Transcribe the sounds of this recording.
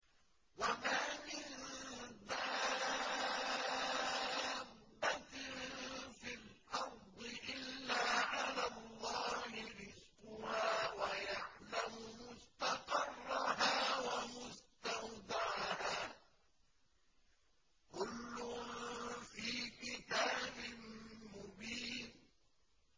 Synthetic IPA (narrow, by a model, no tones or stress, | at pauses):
wamaːmɪnd̪a | bːat̪nfilʔɑɾˤd̪ˤɨʔɪlːaːʕalaːlˤːɑːhɪɾɪzqʊhaːwajaʕlamʊmʊst̪ɑqɑrˤːɑɦaːwamʊst̪awd̪ɑʕhaː | kʊlːʊ | fiːkɪt̪aːbɪnmʊbiːn